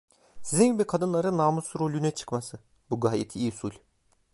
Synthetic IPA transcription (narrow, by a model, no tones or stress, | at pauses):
sizinɟibikʰad̪ɯnlˠaɾɯnːaːmusɾo̞lʲynɛt͡ʃʰɯ̥kmasɯ | buɡaːjet̪ʰiːsulʲ